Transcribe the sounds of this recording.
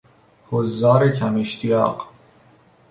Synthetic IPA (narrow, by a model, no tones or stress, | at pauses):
hozɒːɾecʰæmeʃt̪ʰijɒ̰ːɢ